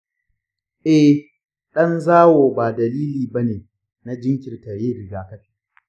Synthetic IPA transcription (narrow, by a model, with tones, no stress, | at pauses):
ʔɛ˦ | ɗɐ˦nzaː˦woː˨baː˨dɐ˨liː˦liː˨bɐ˦neː˨ | na˦d͡ʒɪ˦ŋkʲɪ˨rta˨jeː˦ɾɪ˨ɡaː˨kɐ˦ɸi̥ː˦˨